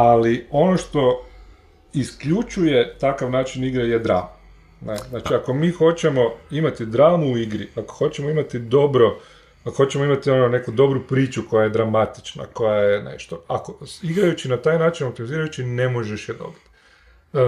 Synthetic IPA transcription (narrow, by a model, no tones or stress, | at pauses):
alio̞no̞ʃt̪o̞ | iskʎut͡ʃuje̞t̪akaʋnaːt͡ʃiniɡɾajed̪ɾa̰ːma | neznaːt͡ʃiako̞miːxo̞t͡ʃe̞mo̞imat̪id̪ɾaːmuuiɡɾiako̥xo̞t͡ɕemoimat̪id̪o̞bɾo̞ | akoxo̞t͡ɕemo̞imat̪io̞none̞kud̪o̞bɾupɾiːt͡ʃuko̞jajed̪ɾamat̪i̥t͡ʃna̰ko̞jajenḛʃt̪o̞akoiɡɾajut͡ʃinat̪aːjnaːt͡ʃinop̚t̪imiziːɾajut͡ʃine̞mo̞ʒeʃjed̪o̞̰bit̪